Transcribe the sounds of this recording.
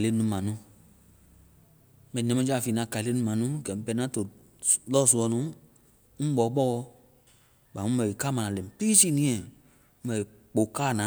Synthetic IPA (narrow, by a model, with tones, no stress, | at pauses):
le˦nũ˦mã˨nũ˨˦ | mɛ̃˨ɛ̃˧mɛ̃˦d͡ʒa˦˨fi˨nã˨˦˨ka˨le˦nũ˧˦mã˨nũ˦ɡɛ̃˨˦pɛ˧˦n˦ã˦to˨ | lɔ˦˨su˧ɔ˧˦nũ˨˦ | ŋ̩̃˦ɓɔ˨˦k͡pɔ˦ɔ˧ | ɓa˨˦ũ˦ɛ˨i˨ka˦mã˨nã˨lɛ̃˨k͡pi˦si˦˨nĩ˦ɛ̃˨˦ | bɛ˨i˨ | k͡po˨kaː˦˨nã˨˦